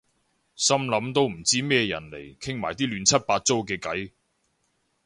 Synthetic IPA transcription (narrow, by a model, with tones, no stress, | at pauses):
sɐ˥mlɐ˨˥mt̪o˥wm̩˨˩t͡siː˥mɛː˥˧jɐ̰˨˩nlḛ˨˩jkʰɪ˥ŋmaː˨˩jt̪iː˥lyː˨˥nt͡sʰɐ˥t̚paː˧t̚t͡so˥wkɛː˧kɐ˨˥j